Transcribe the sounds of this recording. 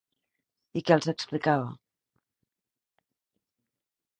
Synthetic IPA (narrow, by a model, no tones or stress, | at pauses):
ikɛːlˠzəksplikaβə